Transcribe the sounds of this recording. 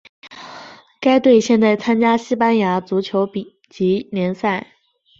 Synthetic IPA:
ka˥ɪt̪we˥˧ɪɕjɛ˥˧nt̪a˥˩ɪt͡sʰa˥nt͡ɕja˥ɕi˥pa˥nja˧˥t͡su˧˥t͡ɕʰjo˧˥ʊpi˨˩ | t͡ɕi˧˥ljɛ˧˥nsa˥˩ɪ

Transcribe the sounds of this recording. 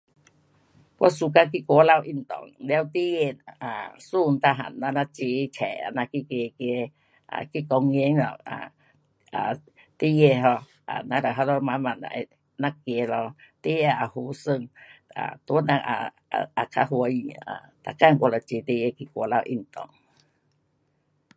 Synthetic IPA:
kʷa˧˦su˧ka˧k̬i˧˦kʷɔ˧˦la˧wʔi˧˩nt̪ɔ̰˨ŋlɛ˧˦wt̪i˦je˧˨a˨su˧˨˧n˨˧t̪a˧ɦa̰˨nːa˧na˧t͡ɕi˧t͡ɕʰɛ˨a̰˧˨na˧ki˧ke˧ke˧ | ʔa̰˨ki˧˦kɔ˧ŋ˧e˦ŋlɔ̰˨a̰˨ | a̰˨ | t̪i˦je˧˨ɦɔ˧ | ʔa̰˨nã˧˦ɾa˨ɦa˧lɔ˧ma˧ma˧˨na̰˨ʔ | na˧˦kje˧˨lɔ˧t̪i˦je˧˨a˨˩hu˧˦sə˧˨ŋa̰˨t̪u˧˦nã˧a̰˨ | a˨kʰa˧˦ɦwə˧˦ja̰˨t̪a˨ka˧˨ŋkʷlɔ˧˨t͡ɕi˧˨t̪i˧˦je˧ki˧˨kʷo˧˦la˧˨wʔḭ˧˩ŋt̪ɔ̰˨ŋ

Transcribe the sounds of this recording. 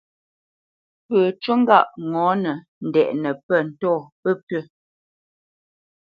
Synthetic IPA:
pəː˨t͡ʃə˦ŋ˦ɡa˦˨ʔŋɔ˨˦nə˨ | n̩˨dɛ˨ʔnə˨pə˦˨n̩˨tɔː˦˨pə˦pɥə˦˨

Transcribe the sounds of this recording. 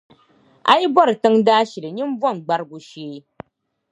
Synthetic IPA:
a̰˦ji˦bɔ˦ɾɨ˨tɨ˦ŋdaː˦ʃi˨lɨ˨ɲi˦m˦vɔ˦˨nɡ͡ba˦ɾɡu˨ʃeː˦

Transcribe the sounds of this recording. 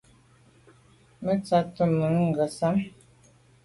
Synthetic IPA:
mə˦t͡sa˦tə˦˨mə˨˦ŋ̩˨ɡə˨sa˦m

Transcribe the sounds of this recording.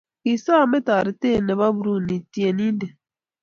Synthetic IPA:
i˨sa˦˨me˦ta˨ɾi˨te˦˨nɛ˨βa˦bu˨ɾu˦˨ni˨ti˨˦e˨nĩ˦nde˨

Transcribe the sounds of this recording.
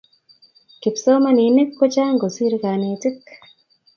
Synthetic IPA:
ki˨psoː˦ma˦ni˨ne˦kːo˦t͡ʃa˦ŋɡo˨si˦ɾi˦ka˨neː˨ti˦k

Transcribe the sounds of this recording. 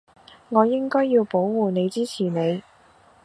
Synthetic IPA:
ŋɔː˨˧jɪ˥ŋkɔː˥jːiː˧wpo˨˥wwuː˨ne˨˧jt͡siː˥t͡sʰiː˨˩ne˨˧j

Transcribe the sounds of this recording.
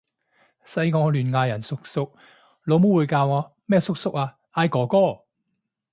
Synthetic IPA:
sɐ˧jŋɔː˧lyː˨˩nŋaː˧jɐ˨˩nsʊ˥k̚sʊ˧k̚ | lo˨˧wmo˥wuː˨˧jkaː˧wɔː˨˧ | mɛː˥sʊ˥k̚sʊ˥k̚aː˧ | aː˧jkɔː˨˥kɔː˥˩

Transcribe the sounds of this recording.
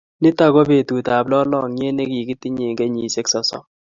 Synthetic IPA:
nɪ˦ta˦ɡɔ˦be˨tu˨ta˨blɔ˦lɔ˦˨ŋɲe˦ne˦ki˨ki˦ti˦ɲe˨ŋɡe˦ɲi˨se˦ksɔ˨sɔ̰˦

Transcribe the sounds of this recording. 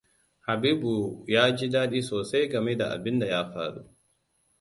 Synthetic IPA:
ha˨biː˦bu˨jaː˦d͡ʒi˦daː˦ɗiː˦soː˨sa˦jɡɐ˨me˦da̰˨ʔa̰˨bɪ˦nda˨jaː˦ɸa̰ː˨ɽṵ˦ʔ

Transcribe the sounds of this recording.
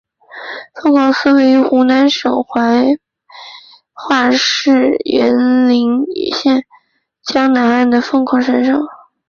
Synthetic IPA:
fɤ˥ŋkʰɑ˨˩ʊsɹ̩˥we˧˥ɪy˧˥xu˧˥na˧˥nʂɤ˨˩ŋxwa˧˥ɪ | xwa˥˧ʂɻ̩˥˩jɛ̰˧˥nli˧˥ŋḭ˨˩ɕjɛ˥˩n | t͡ɕjɑ˥ŋna˧˥na˥˩nd̪ə˩fɤ˥˧ŋkʰɑ˨˥˩ʊʂə˥nʂɤ˥˩˦ŋ

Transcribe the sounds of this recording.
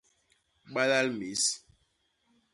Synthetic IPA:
ɓa˦la˦lme˨˦s

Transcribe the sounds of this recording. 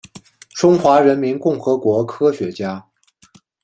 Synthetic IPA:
ʈ͡ʂʊ˥ŋxwa˧˥ɻə˧˥nmi˧˥nkʊ˥˩ŋxɤ˧˥kwɔ˧˥kʰɤ˥ɕɥɛ˧˥t͡ɕja˥

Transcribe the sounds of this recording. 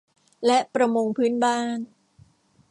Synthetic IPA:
lɛ˦˥ʔpɾa˧mo˧ŋpʰɯː˦˥nbaː˥˩n

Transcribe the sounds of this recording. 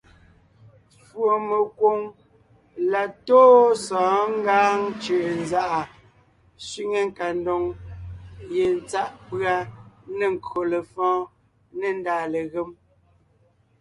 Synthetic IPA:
fwo˨me˨kwo˨ŋ | la˨toː˦sɔ̃ː˨˦ŋ˦ɡaː˦ŋt͡ʃə˨ʔnza˦˨ʔa˨ | sɥi˦ŋe˦ŋ˦ka˨ndɔ˨ŋ | je˨n˦t͡sa˦ʔpɰa˦ne˨ŋ̩˨kɰo˨le˨fɔ̃ː˦ | ne˨n˦daː˨le˨ɣe˦m

